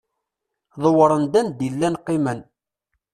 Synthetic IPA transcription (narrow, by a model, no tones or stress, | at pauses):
ðˤəwɾˤənd̪ænd̪ilːænqːimən